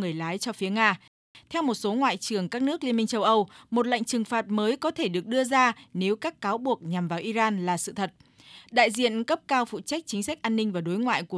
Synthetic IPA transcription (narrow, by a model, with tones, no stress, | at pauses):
ŋɨ˨˩əjlaː˨˦jt͡ɕɔ˧fi˨˦əŋaː˧ | t̪ʰɛ˧wmo˨˩t̚so˨˦ŋwa̰ː˧˨jt͡ɕɨ˨˩əŋkaː˦˥k̚nɨ˦˥ək̚li˧ənmï˧ŋ̟t͡ɕə˧wʔə˧wmo˨˩t̚la̰˧˨jŋ̟t͡ɕɨ˨˩ŋfaː˨˩t̚məː˨˦jkɔ˨˦t̪ʰe˧˩ɗɨ˨˩ək̚ɗɨ˧əzaː˧ne˨˦wkaː˦˥kːaː˨˦wɓu˨˩ək̚ɲa˨˩mvaː˨˩wʔi˧zaː˧nlaː˨˩sɨ̰˧˨t̪ʰə˨˩t̚ | ɗa̰ː˧˨jzḭ˧˨ənkə˦˥p̚kaː˧wfṵ˧˨t͡ɕa˦˥k̚t͡ɕï˨˦ŋ̟sa˦˥k̟̚ʔaː˧nːï˧ŋ̟vaː˨˩ɗo˨˦jŋwa̰ː˧˨jku˧˩